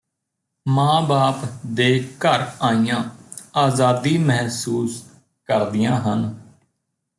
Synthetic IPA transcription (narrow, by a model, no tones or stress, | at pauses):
mãːbaːpd̪eːkəɾaːijãːaːzaːd̪iːməɦsuːs | kəɾd̪ɪjãːɦən